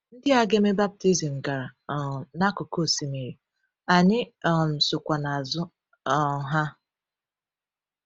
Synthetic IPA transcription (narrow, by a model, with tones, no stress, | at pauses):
n̩˦dɪ˦a˦ɡe˦me˦ba˦b̚ti˦zi˨m̩˨ɡa˨na˦kʊ˨ko˦˨si˨mi˨i˨ | a˨ɲɪ˦ɔ˨m̩˨sʊ˨kʷa˨na˨a˨zʊ˦ | ɔ˨ɦa˦